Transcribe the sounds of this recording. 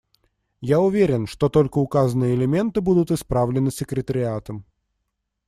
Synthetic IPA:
jaʊvʲeɾʲɪnʂt̪o̞t̪o̞lʲkəʊkazənɨjəɪlʲɪmʲe̞nt̪ɨbud̪ʊt̪ɨspɾavlʲɪnɨsʲːɪkɾʲɪt̪əɾʲɪat̪əm

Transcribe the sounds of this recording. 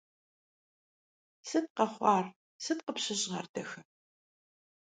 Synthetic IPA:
sɨt̚qɐχʷɑːr | sɨtqəpɕɪʑʁɐ̰rdʰɐxɨ

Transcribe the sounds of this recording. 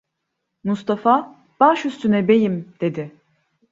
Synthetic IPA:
must̪ʰafa | b̥aʃyst̪ʰynɛbe̞jimd̪̥e̞d̪ɪ

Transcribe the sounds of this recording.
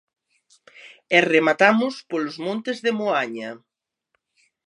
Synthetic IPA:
ɛremat̪amʊspolʊzmõnt̪ezðemoaɲɐ

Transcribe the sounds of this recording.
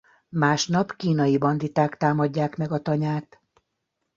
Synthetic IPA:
maːʃnɒpkiːnɒjibɒnd̪it̪aːkt̪aːmɒɟːaːkmɛɡɒt̪ɒɲaːt̪

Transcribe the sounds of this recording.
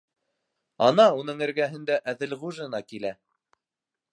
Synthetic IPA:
ɑnɑunɤɴɘ̆ɾɡæɦɘ̆nd̪æʔæðɘlʁuʒɤ̆nɑkilæ

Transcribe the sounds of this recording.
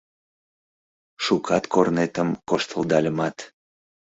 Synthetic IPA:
ʃukʰɑt̪kʰornet̪əmkoʃt̪əld̪ɑlʲəmɑt̪

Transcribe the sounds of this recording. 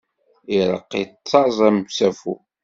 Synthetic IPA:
iɾˤə̰qːḭt͡st͡sːɑzˤæmsæfu

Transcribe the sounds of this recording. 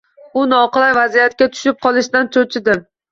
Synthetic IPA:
ʊnɒqɨlˠajvazijat̪̚kʲat̪ʰʊ̥ʃɪp̚qʰɒlˠɪʃd̪ant̪ʰot͡ʃʰɪd̪ɪ

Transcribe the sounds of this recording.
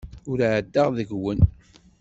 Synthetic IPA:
ʊɾʕəd̪ːəʁðəɡwən

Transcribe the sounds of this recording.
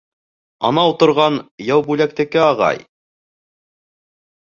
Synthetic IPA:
ɑ̰nɑut̪ŏɾʁɑnjæwbʉlæk̚t̪ɘ̆kɘɑʁɑ̰j

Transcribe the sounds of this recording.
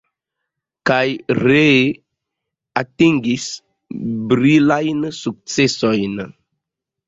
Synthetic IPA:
kajɾe | atĩŋɡis | bɾilajnsuk̚t͡sesojnə

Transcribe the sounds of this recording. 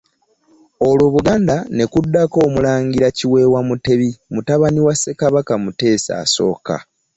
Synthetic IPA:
o̞lwoːβuɡaːndane̞kudːako̞ːmulaːŋɡiɾaciwe̞wamute̞βimutaβaniwase̞kaβakamute̞ːsa̰ːso̞̰ːka̰

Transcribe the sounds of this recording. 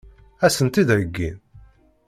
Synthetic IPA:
æsənt̪id̪ɾəɡːḭn

